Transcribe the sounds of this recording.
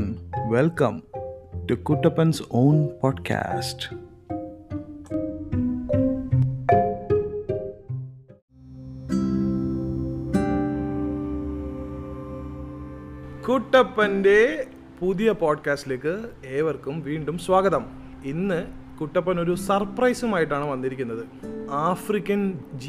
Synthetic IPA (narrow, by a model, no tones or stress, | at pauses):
nʋelkɐ̰̃mʈukuʈːɐpːɐnsoːnpɔːɖkʰa̰ːsʈ | kuʈːɐpːɐnde̞ | puðijɐpoːɖkaːstileːkːɨeːʋɐrkumʋiːɳɖumswaːɡɐðɐm | inːɨ | kuʈːɐpːɐno̞ɾusɐrprɐjsumaːjiʈːaːɳɨʋɐnːiɾikʲːunːɐðɨ | aːfrikʲːɐnd͡ʑ